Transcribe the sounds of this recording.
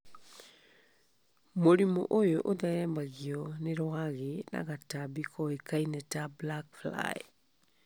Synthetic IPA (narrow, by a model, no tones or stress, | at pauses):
moɾimɔ̰ʔojoʔoðaɣɛːmbaɣiɔneɾwaɣena̰ɣatabikʰɔekainɛtablakfla̰ḛ